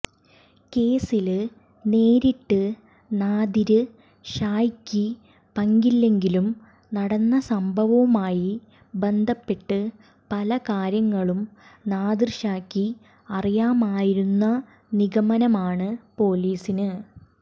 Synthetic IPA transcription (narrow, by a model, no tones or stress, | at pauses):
ke̞ːsil | ne̞ːɾiʈːɨ | naːd̪iɾɨ | ɕaːjkʲːi | pɐŋɡilːe̞ŋɡilum | nɐɽɐnːɐsɐmbʱɐʋɐʋumaːji | be̞nd̪ʱɐpːe̞ʈːɨ | pɐlɐkaːɾjɐŋːɐɭumnaːd̪irʂaːkːi | ɐrijaːmaːjiɾunːɐ | niɣɐmɐnɐmaːɳɨpo̞ːliːsinɨ